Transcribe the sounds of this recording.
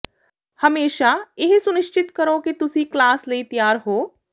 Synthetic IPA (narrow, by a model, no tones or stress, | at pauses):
hɐmeːʃaɪɦsʊnɪʃt͡ʃɪt̪kɐɾokit̪ʊsiklaːslɐit̪jaːɾɦoː